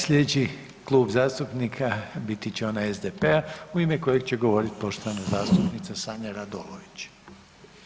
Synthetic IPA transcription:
slʎʲed̪et͡ɕi | klˠuːbzaːst̪upnikʰabit̪it͡ɕeo̞naezd̪epeauimeko̞jeɡt͡ɕe̞ɡo̞ʋo̞ɾit̪i̥po̞ʃt̪oʋanazaːst̪upnit̪sasaːɲaɾad̪o̰loʋit͡ɕ

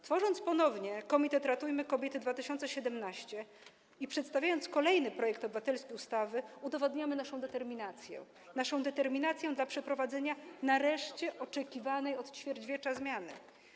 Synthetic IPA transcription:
t̪fɔʐɔnt̪spɔnɔvɲɛkɔmʲit̪ɛt̪ɾat̪ujmɘkɔbʲjɛt̪ɘd̪vat̪ɘɕɔnt̪sɛɕɛd̪ɛmnaɕt͡ɕɛ | ipʂɛt̪st̪avʲjajɔnt̪skɔlɛjnɘpɾɔjɛkt̪ɔbɘvat̪ɛlskʲejust̪avɘud̪ɔvɔd̪ɲamɘnaʂɔ̃w̃d̪ɛt̪ɛɾmʲinat̪sʲjɛ̰ | naʂɔ̃w̃d̪ɛt̪ɛɾmʲinat̪sʲjɛ̃d̪lapʂɛpɾɔvad̪zɛɲanaɾɛʂt͡ɕɛʔɔt͡ʂɛkʲivanɛjɔt̪t͡ɕfʲjɛɾd͡ʑvʲjɛt͡ʂazmʲjanɘ̰

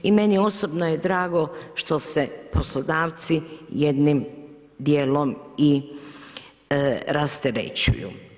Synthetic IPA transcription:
ime̞nio̞sobnoje̞d̪ɾaːɡo̞ʃt̪o̞sepo̞slˠod̪aːʋt̪sijed̪nim | d̪jeːlomi | ɾast̪eɾḛt͡ɕṵjṵː

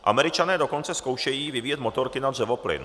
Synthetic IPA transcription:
ʔa̰mɛɾɪt͡ʃanɛːdoko̞nt͡sɛskowʃɛjiːvɪvijɛt̪mo̞t̪oɾkɪnadr̝ɛvo̞plɪ̰n

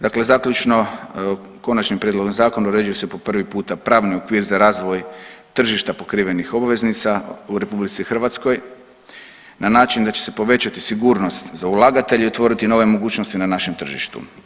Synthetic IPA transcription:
d̪akle̞zakʎut͡ʃno̞ | ko̞nat͡ʃnimpɾʲjed̪lo̞ɡmzaːko̞nauɾe̞d͡ʒujesepo̞pr̩ʋipuːt̪apɾaːʋnio̞kʋiːɾzaɾaːzʋo̞jt̪r̩ʒiʃt̪apo̞kɾiːʋe̞nixo̞baʋe̞znit̪sauɾe̞publit̪sixr̩ʋat̪sko̞j | nanaːt͡ʃind̪at͡ɕese̞po̞ʋe̞t͡ɕat̪isiɡuːɾno̞st̪zaulˠaɡat̪e̞ʎeot̪ʋo̞ɾit̪ino̞ʋe̞mo̞ɡuːt͡ʃno̞st̪inanaʃe̞mt̪r̩ʒḭʃt̪ṵ

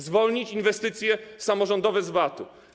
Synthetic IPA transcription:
zvɔlɲit͡ɕinvɛst̪ɘt̪sʲjɛsamɔʐɔnd̪ɔvɛzvat̪u

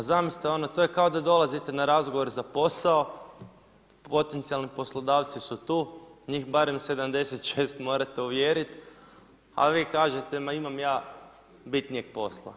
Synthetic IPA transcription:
zamist̪ao̞not̪oje̞kaod̪ad̪o̞lˠazit̪enaɾazɡoʋo̞ɾezapo̞sao̞ | po̞t̪ent̪sialnipo̞slˠod̪aːʋt̪sisut̪uːɲiːxbaɾemse̞d̪amd̪e̞set̪ʃeːst̪mo̞ːɾat̪e̞uʋjeːɾit̪ | a̰ʋiːkaːʒe̞t̪emaimamjaː | bit̪nijeɡ̥̚po̞slˠa̰

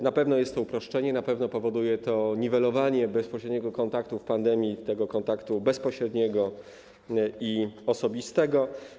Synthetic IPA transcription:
napɛvnɔjɛst̪ːɔupɾɔʂt͡ʂɛɲɛnapɛvnɔpɔvɔd̪ujɛt̪ɔɲivɛlɔvaɲɛbɛspɔɕɾɛd̪ɲɛɡɔkɔnt̪akt̪ufpand̪ɛmʲjit̪ɛɡɔkɔnt̪akt̪ubɛspɔɕɾɛd̪ɲɛɡɔ | iɔsɔbʲist̪ɛɡɔ

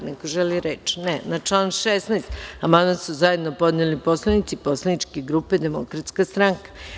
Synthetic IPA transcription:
nekoʒeliɾet͡ʃnɛnat͡ʃlˠaːnʃesnejst̪amand̪masuzajed̪nopo̞d̪neliposlanit̪siposlanit͡ʃkeɡɾuːped̪emokɾat̪skast̪ɾaŋkḁ

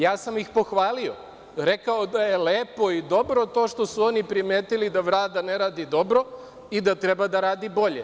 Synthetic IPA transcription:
jaːsamixpo̞xʋaːlio̞ | ɾe̞kaod̪aje̞leːpo̞id̪o̞bɾo̞t̪o̞ːʃt̪o̞suo̞nipɾimeːt̪ilid̪aʋɾaːd̪aneɾaːd̪id̪o̞bɾo̞ | id̪at̪ɾe̞bad̪aɾaːd̪ibo̞ʎe

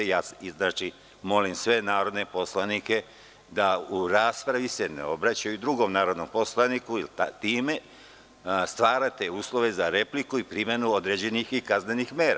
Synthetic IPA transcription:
jaːsiznat͡ʃi | mo̞limsʋe̞naːɾo̞d̪ne̞po̞slanike̞ | d̪auɾaːspɾaʋise̞nḛo̞bɾat͡ɕajuid̪ɾuɡo̞mnaːɾo̞d̪no̞mpo̞slˠanikuilat̪iːme̞ | st̪ʋaːɾat̪e̞uːslˠo̞ʋe̞zaɾe̞plikuipɾimje̞nuod̪ɾed͡ʑe̞nixikazne̞nixme̞ːɾa̰

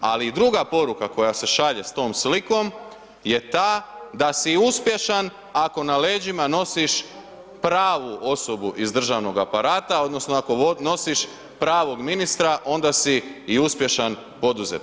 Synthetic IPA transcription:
a̰lid̪ɾuɡapo̞ɾukako̞jase̞ʃaʎe̞st̪o̞ːmsliko̞m | je̞t̪aːd̪asiuspje̞ʃan | ako̞nale̞ːd͡ʒimano̞siʃ | pɾaːʋuo̞so̞buʔizd̪r̩ʒaʋno̞ɡapaɾaːt̪ao̞d̪no̞snoako̞no̞siʃ | pɾaːʋo̞ɡminist̪ɾaʔo̞nd̪asiːuspje̞ʃan | po̞d̪uze̞̰t̪

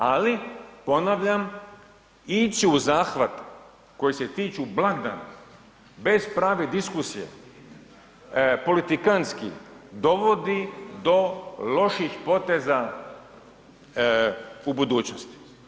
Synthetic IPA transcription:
alipo̞naʋʎam | it͡ʃiuzaːxʋat̪ | ko̞jise̞t̪iːt͡ʃublˠaɡd̪a̰ːna̰ | be̞z̥pɾaːʋed̪iskusijḛ | po̞lit̪ikanskḭd̪o̞ʋo̞d̪id̪o̞lo̞ʃixpo̞t̪e̞za | ubud̪uːt͡ɕnost̪i̥

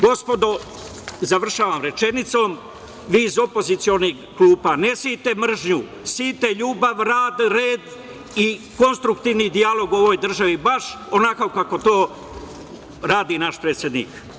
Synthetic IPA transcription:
ɡo̞spo̞d̪o | zaʋr̩ʃaːʋamɾe̞t͡ʃe̞nit̪so̞ːm | ʋiːzo̞po̞zit̪sio̞niɡkluːpanesit̪e̞mr̩ʒɲu | siːt̪e̞ʎuːbaʋɾaːd̪ɾeːd̪ | iko̞nst̪ɾukt̪iːʋnid̪ialˠo̞ɡuo̞ʋo̞jd̪r̩ʒaʋibaʃonakokako̞t̪o̞ː | ɾaːd̪inaʃpɾeːt̪sʲjed̪nḭːk

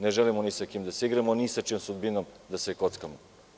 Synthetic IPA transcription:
neʒelimonisakimd̪asiɡɾamonisat͡ʃomsud̪binomd̪asekot̪skamo

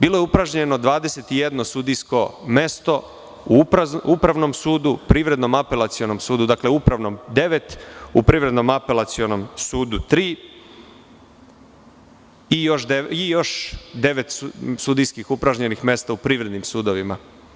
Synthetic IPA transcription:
biːlˠojeupɾaʒɲe̞no̞d̪ʋaːd̪eset̪ije̞d̪no̞sud̪ijsko̞me̞st̪o̞ | upɾaupɾaʋno̞msuːd̪upɾiʋɾe̞d̪no̞mape̞lat̪sio̞nomsuːd̪ud̪akle̞uupɾaʋno̞md̪e̞ʋe̞t̪upɾiːʋɾe̞d̪no̞mape̞lat̪sio̞no̞msuːd̪ut̪ɾiː | ijo̞ʃd̪eijo̞ʃd̪e̞ʋe̞t̪ssud̪ijskixupɾaʒɲe̞nixme̞st̪aupɾiːʋɾe̞d̪nimsuːd̪oʋima

